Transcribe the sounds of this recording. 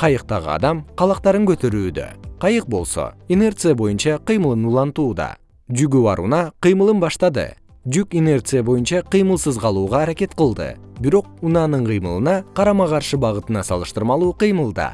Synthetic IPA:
qʰɑjɯq̚t̪ɑʁɯ̰ɑ̰d̪ɑmqʰɑlˠɑq̚t̪ɑɾɯŋkøt̪ø̞ɾyːd̪ø̰qʰɑjɯq̚bo̞lˠso̞̰ene̞rt̪sɨjabo̞junt͡ʃɑqɨjmɯlˠɯnulˠɑnt̪uːd̪ɑ̰ | d͡ʒyɡyβɑ̰ɾṵnɑqɨjmɯlˠɯnbɑʃt̪ɑd̪ɯ̰ | d͡ʒykene̞rt̪sɨjabo̞junt͡ʃɑqɨjmɯlˠsɯzqɑlˠuːʁɑːɾake̞t̪qəlˠd̪ɯ̰ | biɾo̞q̚unɑnɯɴqʰɨjmɯlˠɯnɑqʰɑɾɑmɑʁɑɾʃɯbɑʁɯt̪ɯnɑsɑ̰lˠɯʃt̪ɯɾmɑlˠuːqɨjmɯlˠd̪ɑ̰

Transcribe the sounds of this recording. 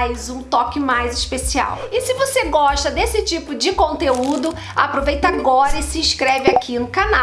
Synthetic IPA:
jzũt̪ɔkɪmajzɪʃpesia̰wɪsɪvoseɡɔʃt̪ɐd̪esɪt͡ʃipʊd͡ʒɪkõnt̪eud̪ʊ | a̰pɾovejt̪ɐaɡɔɾɐɪsɪĩskɾɛvɪakʰinʊkana

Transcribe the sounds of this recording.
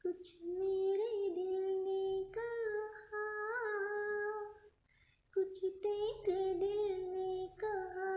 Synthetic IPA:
kʊt͡ʃʰmeːɾed̪ɪlnekaha | kʊt͡ʃʰt̪eːɾed̪ɪlnekaɦa

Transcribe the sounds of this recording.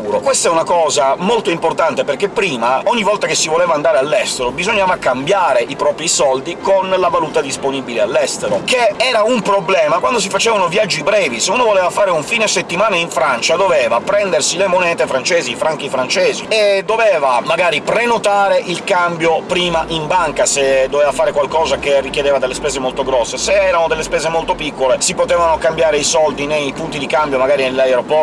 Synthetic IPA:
uːɾokwest̪aɛunakɔːzamolt̪oimport̪ant̪eperk̟epːɾiːmaɔɲːivːɔlt̪akesːivolɛːvaːnd̪aːɾealːɛst̪eɾobizoɲːaːvakambjaːɾeʔipɾɔːpɾisɔld̪ikonlavaluːt̪ad̪isponibilealːɛst̪eɾo̰keɛːɾaumpɾoblɛːmakwand̪os̬ifat͡ʃɛːvanovjad͡ʒːibɾɛːviseuːnovolɛːvafaːɾeuɱfiːneset̪ːimaːnaiɱfɾant͡ʃad̪ovɛːvapɾɛnd̪ersilemonɛːt̪efɾant͡ʃɛːzifɾaŋk̟ifɾant͡ʃɛːzied̪ːovɛːvamaɡaːɾipɾenot̪aːɾeʔilkambjopɾiːmaʔimbaŋkased̪ːoveːvafaːɾekwalkɔːzakerːikjed̪eːvad̪elːespɛːzemolt̪oɡɾɔsːeseɛːɾanod̪elːespɛːzemolt̪opikːolesipot̪ɛːvanokambjaːɾeisɔld̪inejpunt̪id̪ikambjomaɡaːɾinelːaeɾopɔr

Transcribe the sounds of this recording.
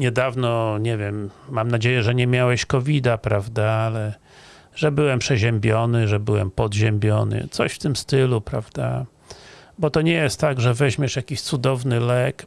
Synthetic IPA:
ɲɛd̪avnɔɲɛvʲjɛmːamnad͡ʑejɛʐɛɲɛmʲjawɛɕkɔvʲid̪apɾavd̪aalɛ | ʐɛbɘwɛmpʂɛʑɛmbʲjɔnɘʐɛbɘwɛmpɔd̪ʑɛmbʲjɔnɘ̰t̪sɔ̰ɕft̪ɘmst̪ɘlupɾavd̪a | bɔt̪ɔɲɛjɛst̪ːaɡʐɛvɛʑmʲɛʂjakʲiɕt̪sud̪ɔvnɘlɛk

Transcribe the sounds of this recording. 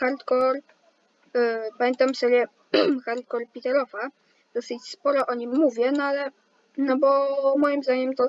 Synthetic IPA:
xaɾt̪kɔɾ | pamʲjɛnt̪amsɔbʲjɛ | xaɾt̪̚kɔɾpʲit̪ɛɾɔva | d̪̥ɔsɘt͡ɕspɔɾɔʔɔɲimːuvʲjɛnɔalɛ | nɔbɔmɔjimzd̪aɲɛmt̪ɔ

